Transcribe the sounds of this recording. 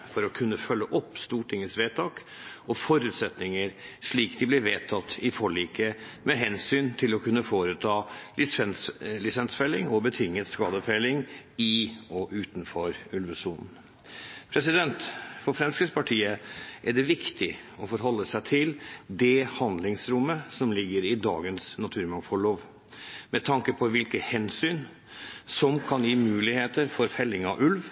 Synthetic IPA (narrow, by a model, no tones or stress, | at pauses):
fɔɾɔkʰʉnːəfœlːəʔɔpːst̪uːʈʰɪŋːəsʋeːt̪ʰɑːk | ɔfɔɾʉːt̪sɛt̪nɪŋəɾʂɭiːkd̪ɪblɪɾʋeːt̪ʰɑt̪ːɪfɔɭiːkəmɛɦɛnsyːnt̪ʰɪlɔkʰʉnːəfoːɾət̪ʰɑːɪɛlɪsɛnsfɛlːɪŋɔbət̪ʰɪŋːət̪skɑːd̪əfelɪŋɪɔʔʉːt̪n̩fɔɾʉlʋʉsuːnn̩ | pʰɾɛsɪd̪ɛnt̪fɔɾfɾɛmskɪspʰɑʈʰiːəʔæɖɛʋɪkt̪ɪɔfɔɾɦɔlːəsæɪt̪ʰɪld̪ɛhɑnd̪lɪŋsɾʊmːəsɔmlɪɡːəɾɪd̪ɑ̰ːɡənsnɑt̪ʰʉːɾmɑŋfɔɭoːʋ | mɛt̪ʰɑŋkəpʰɔʋɪlkəhɛnsyːn | sɔmkʰɑnjiːmʉːlɪheːt̪əɾfɔɾfɛlːɪŋɑ̰ʔʉlʋ